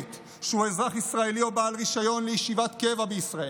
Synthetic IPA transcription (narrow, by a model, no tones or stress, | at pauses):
t̪ | ʃeuezʁaχisʁae̞lio̞baːlʁiʃajo̞nlejeʃivat̪ke̞vabeisʁae